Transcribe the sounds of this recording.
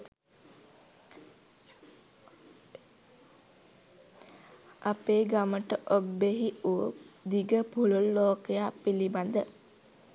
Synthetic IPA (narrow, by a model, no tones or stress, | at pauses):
apeːɡaməʈəʔobːeɦiud̪iɡəpuləlːoːkejaːpiliband̪ə